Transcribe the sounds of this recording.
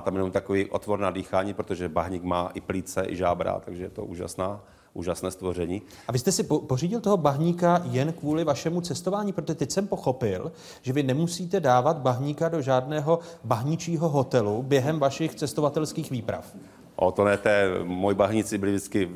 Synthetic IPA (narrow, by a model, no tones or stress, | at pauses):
t̪amjɛnomt̪akoviːʔo̰t̪voɾnadiːxaːɲiːpɾot̪oʒɛbaɦɲɪkmaːʔɪpliːt͡sɛʔɪ̰ʒaːbɾa̰ːt̪aɡʒɛjɛt̪o̰ʔuːʒa̰snaː | ʔuːʒasnɛːst̪vorɛɲiː | ʔavɪst̪ɛsɪoporiːɟɪlt̪oɦobaɦɲiːkajɛnkvuːlɪvaʃɛmut͡sɛst̪ovaːɲiːpɾot̪oʒɛt̪ɛcsɛmpo̞xo̞pɪl | ʒ̥ɛvɪnɛmusiːt̪ɛdaːvat̪baɦɲikado̞ʒaːdnɛːɦo̞baɦɲɪt͡ʃiːɦoɦo̞t̪ɛlubjɛɦɛmvaʃɪxt͡sɛst̪ovat̪ɛlskiːxviːpɾa̰f | ʔot̪onɛt̪ɛːmojibaɦɲɪt͡sɪbɪlɪvdɪt͡skɪ